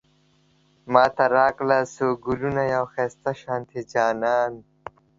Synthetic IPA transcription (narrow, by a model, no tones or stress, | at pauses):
maːt̪ɐɾaːklasoːɡulunɐjawxeːst̪ɐɕaːnt̪ʰid͡ʑaːnaːn